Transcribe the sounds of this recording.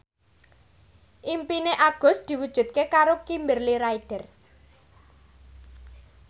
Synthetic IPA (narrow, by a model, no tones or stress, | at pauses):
ʔimpineʔaɡ̥ɔ̤sd̪̥i̤wud̥ʒ̥ṳd̪̚kekaɾokimbɪrliɾaiɖ̥ər